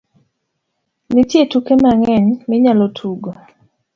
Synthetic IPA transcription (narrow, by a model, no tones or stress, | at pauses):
nɪtjetukemaŋɛɲmɪɲalotʰuɡo